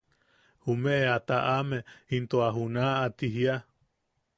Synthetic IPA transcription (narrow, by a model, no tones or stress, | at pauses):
humeʔeat̪aʔamehint̪oaɦunaːt̪iɦia